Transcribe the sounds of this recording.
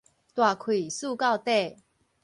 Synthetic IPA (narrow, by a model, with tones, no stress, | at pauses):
t̪wa˨˩kʰwi˨˩su˥˧ka˥˧˨wt̪e˥˨